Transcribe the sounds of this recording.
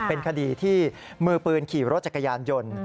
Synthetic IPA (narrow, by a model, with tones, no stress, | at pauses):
pe˧nkʰa˧diː˧t̪ʰiː˥˩ | mɯː˧pɯː˧nkʰiː˨˩ɾo˦˥t̪̚t͡ɕa˨˩kːa˧jaː˧njo˧n